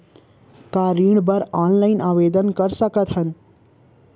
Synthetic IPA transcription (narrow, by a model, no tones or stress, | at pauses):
t̪aːɾiːɽ̃bəɾaːnlaɪnʔaːʋeːd̪ənkəɾsəkət̪ɦən